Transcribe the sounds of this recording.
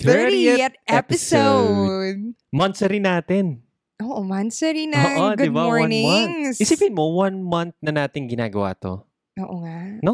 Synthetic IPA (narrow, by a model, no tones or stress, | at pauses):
t̪ɛiɛt̪ɛt̪ɛpɪsowd̪̚mɐnsɛɾinaːt̪ɪn | ʔoːʔomɐnsɛɾinɐʔodɡʊɪbaɔɹwɐnɪmɐnŋɪsiːpɪnmo̞wɐnmɐnt̪̚nɐnaːt̪ɪŋɡɪnaːɡɐwa̰ːt̪o̰ | ʔoːʔoŋano